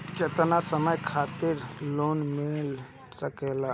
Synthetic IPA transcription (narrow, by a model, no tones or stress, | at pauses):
t͡ʃət̪nasəməjkʰaːt̪ɪɾloːnmɪl | səkelaː